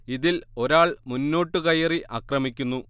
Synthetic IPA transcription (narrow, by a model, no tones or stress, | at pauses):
iðilo̞ɾaːɭmunːo̞ːʈːɨkɐjɐriʔaːkrɐmik̬ʲːunːu